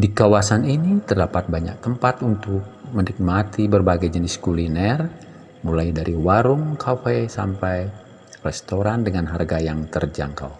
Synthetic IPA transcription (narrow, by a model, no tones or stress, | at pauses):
dikawasaninit̪ərdapat̪̚baɲa̰k̚t̪əmpat̪unt̪ʊk̚mənik̚mat̪ibərbaɡajd͡ʒəniskulinɛr | mulajdaɾiwaɾuŋkʰafɛsa̰mpaj | rɛst̪oɾandəŋanɦarɡajaŋt̪ərd͡ʒa̰ŋka̰w